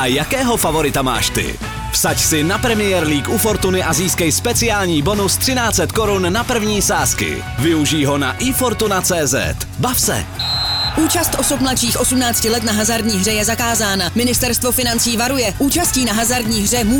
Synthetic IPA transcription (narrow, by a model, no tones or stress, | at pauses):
ʔajakɛːɦo̞favo̞ɾɪt̪ama̰ːʃt̪ɪ̰ | fsacsɪnapɾɛmɪjɛɾliːkʔufo̞ɾt̪unɪʔaziːskɛjspɛt͡sɪaːlɲiːbo̞nust̪r̥ɪnaːt͡sɛt̪ko̞ɾunːapr̩vɲiːsaːskɪ̰ | vɪuʒiːɦo̞na̰ʔɪfo̞ɾt̪unat͡sɛːzɛ̰t̪ | bafsɛ̰ | ʔuːt͡ʃast̪ʔo̞sop̚mlatt͡ʃiːxʔo̞sumnaːt͡scɪlɛt̪naɦazaɾdɲiːɦr̝ɛjɛzakaːzaːnamɪnɪst̪ɛɾst̪vo̞fɪnant͡siːvaɾujɛʔuːt͡ʃasciːnaɦazaɾdɲiːɦr̝ɛmu